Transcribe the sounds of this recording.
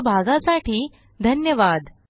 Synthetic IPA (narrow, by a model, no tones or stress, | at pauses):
bʱaɡasaʈiː | d̪ʱənjəʋad̪